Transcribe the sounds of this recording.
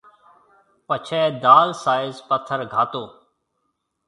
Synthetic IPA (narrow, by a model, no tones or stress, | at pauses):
pət͡ʃʰɛːd̪aːlsaːɪzpət̪ʰːəɾɡʱaːt̪oː